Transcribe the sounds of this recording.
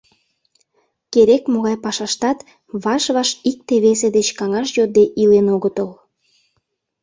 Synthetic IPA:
keɾekmoɣɑjpɑʃɑʃt̪ɑt̪ | βɑʃβɑʃik̚t̪eβesed̪et͡ɕkɑŋɑʃjod̪eʔilenoɣət̪əl

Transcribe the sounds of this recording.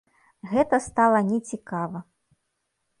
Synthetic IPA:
ɣɛt̪ɐst̪alˠɐnʲɛt͡sʲikavɐ

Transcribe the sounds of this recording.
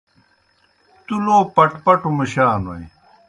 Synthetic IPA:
t̪uloːpɐʈpɐʈumiɕaːno̰i

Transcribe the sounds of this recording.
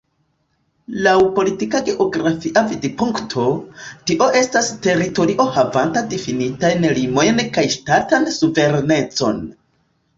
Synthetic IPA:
lawpo̞litikaɡe̞ʔo̞ɡɾafiʔavidipuŋktʰo̞tiʔo̞ʔe̞staste̞ɾito̞ɾiʔo̞havantadifinitajnlimo̞jnkajʃtatansuve̞ɾne̞t͡so̞̰n

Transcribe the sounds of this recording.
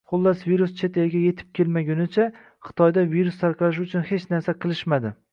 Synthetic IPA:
χʊlˠːasviɾust͡ʃʰe̞t̪elɡʲaje̞t̪ʰɪ̥p̚kʲʰelmaɡʲʊnɪt͡ʃʰa | χɨ̥t̪ʰɒjd̪aviɾust̪ʰaɾqlˠaʃ̬ʊt͡ʃʰʊnhe̞t͡ʃnaɾsaqʰɨlˠɪʃmad̪ɪ

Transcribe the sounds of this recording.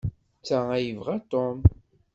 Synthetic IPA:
t͡sːææjəvʁat̪om

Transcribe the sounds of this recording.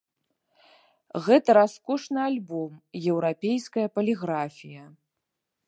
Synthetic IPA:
ɣɛt̪ɐɾaskɔʂnɨalʲbɔmjɛwɾapʲejskɐjɐpɐlʲiɣɾafʲijɐ

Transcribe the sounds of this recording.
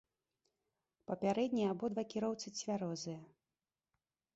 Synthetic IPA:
pɐpʲaɾɛd̪ʲnʲijabɔd̪vakʲiɾɔwt̪sɨt͡sʲvʲaɾɔzɨjɐ

